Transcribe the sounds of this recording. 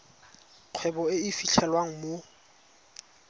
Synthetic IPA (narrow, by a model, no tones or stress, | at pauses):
q͡χʰwɛbɔɪɪfiɬʰɛlwaŋ̩mo